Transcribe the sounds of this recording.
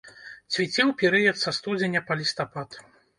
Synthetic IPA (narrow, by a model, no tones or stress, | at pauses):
t͡sʲvʲit͡sʲɛwpʲiɾɨjɛt̪sɐst̪ud͡zʲenʲɐpɐlʲist̪apat̪